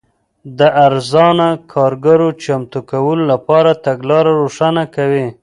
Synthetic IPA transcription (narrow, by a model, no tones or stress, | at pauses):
d̪əaɾzɑnakʰɑɾɡaɾot͡ʃamt̪ukawəlolapɑɾat̪aɡlɑɾaɾoʂanakawi